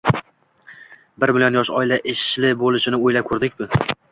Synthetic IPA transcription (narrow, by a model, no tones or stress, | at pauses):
bɪɾmɪlijonjɒʃɒ̰ɪlaʔɪʃlɪbolɪʃɪnɪojlap̚kʰɵɾd̪ɪk̚ʲbʊ